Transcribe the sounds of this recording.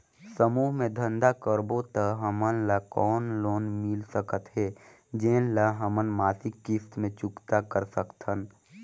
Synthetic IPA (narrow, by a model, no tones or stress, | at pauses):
səmuːɦmẽd̪ʱə̃nd̪akəɾbot̪əɦəmənləkɔːnloːnmɪlsəkət̪ɦɛː | d͡ʒeːnləɦəmənmaːsɪkːist̪mẽt͡ʃʊkt̪akəɾsəkt̪ɦən